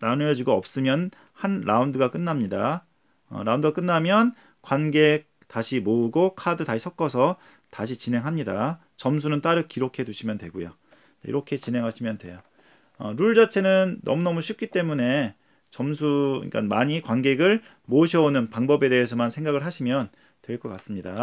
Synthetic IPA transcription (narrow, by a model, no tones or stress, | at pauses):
nanɯjʌd͡ʑiɡoʌp̚s͈ɯmjʌn | hanɾa̰undɯɡak͈ɯnːamɲida | ʌ̰ɾaundɯɡak͈ɯnːamjʌn | kwanɡe̞ | taɕʰimoːɡokʰadɯtaɕʰisʰʌk͈ʰʌsʰʌ | taɕʰit͡ɕinɦe̞ŋɦamɲida | t͡ɕʌmsʰunɯnt͈aɾɯkiɾokʰe̞duɕʰimjʌndwe̞ɡojo̰ | t͡ɕaḭɾʌkʰe̞t͡ɕinɦe̞ŋɦaɕʰimjʌndwe̞̰jo | ʌɾuɭd͡ʑat͡ɕʰe̞nɯnːʌ̰munʌmuɕʰip̚k͈it͈e̞mune̞ | t͡ɕʌms̬ʰuḭk͈a̰nmaɲikwanɡe̞ɡɯɭ | moɕʰʌonɯnpaŋbʌbe̞de̞esʰʌmansʰe̞ŋɡaɡɯɭɦaɕʰimjʌn | twe̞ɭk͈ʌk͈as͈ɯmɲida